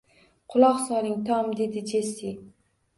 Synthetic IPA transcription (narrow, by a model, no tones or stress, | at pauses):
qʰʊlˠɒqsɒɾɪŋt̪ʰɒmd̪e̞d̪ɪd͡ʒesi